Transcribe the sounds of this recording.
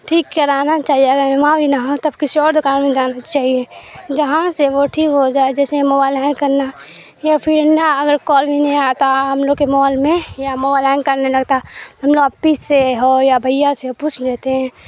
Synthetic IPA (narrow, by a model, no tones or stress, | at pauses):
ʈʰiːkːəɾaːnat͡ʃaːɦieɐɡəɾmãbʱinaɦõt̪ɐbkɪsiɔːɾd̪ʊkaːnmẽd͡ʒaːnat͡ʃaːɦied͡ʒəɦãseʋoʈʰiːkɦod͡ʒaːed͡ʒɛːsemoːbaːɪlɛːɪ̃nkəɾna | japʰɪɾnaɐɡəɾkɔːlbʱinɐɦĩat̪aɦɐmloːɡkemɔːlmẽjamoːbaːɪlɛːnkɐɾnelɐɡt̪at̪oɦɐmloːɡɐpːiseɦojabʱəɪjaseopuːt͡ʃʰlɛːt̪eɦɛ̃ː